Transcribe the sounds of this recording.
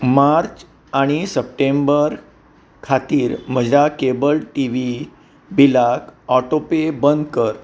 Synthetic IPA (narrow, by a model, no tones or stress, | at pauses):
maɾt͡ɕ | aɽ̃isəp̚ʈembəɾ | kʰat̪iːɾm̤əd͡ʑʱakebəlʈiʋi | bilakɔʈopebənd̪kəɾ